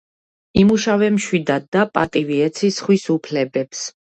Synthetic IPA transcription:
imuʃavɛmʃwid̪ad̪ːapʼat̪ʼiviɛt̪sʰisχwisupʰlɛbɛps

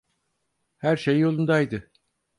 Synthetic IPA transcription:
hæɾʃejːo̞lˠund̪ajd̪ɯ

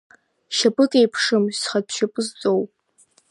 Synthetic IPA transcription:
ʃapʼɨkʼejpʰʂɨmsχatʰʼʃapʼɨzt͡sʼowpʼ

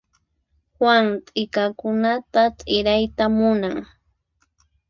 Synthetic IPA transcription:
hwaŋt̪ʼɪkakʊnat̪at̪ʼɪɾajt̪amʊnaŋ

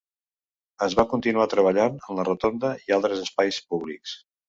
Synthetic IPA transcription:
əzβakunt̪inuat̪ɾəβ̞əʎanənlərət̪ond̪əialˠt̪ɾəzəspajspuβ̞liks

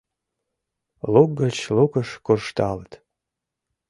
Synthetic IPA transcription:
luk̚ɡət͡ɕlukəʃkurʃt̪ɑlət̪

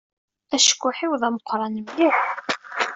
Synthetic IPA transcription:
æʃə̥kʷːʊħiwðˤæməqːɾˤɑnəmliħ

